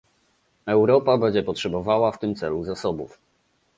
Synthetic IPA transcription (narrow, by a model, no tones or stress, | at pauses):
ɛwɾɔpabɛɲd͡ʑɛpɔtʂɛbɔvawaft̪ɘmt̪sɛluzasɔbṵf